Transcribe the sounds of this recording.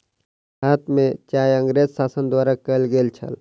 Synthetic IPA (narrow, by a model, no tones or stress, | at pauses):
haːt̪ʰmẽt͡ʃaːjə̃ŋɡɾeːzsaːsənd̪waːɾakəlɡeːlt͡ʃʰə̰l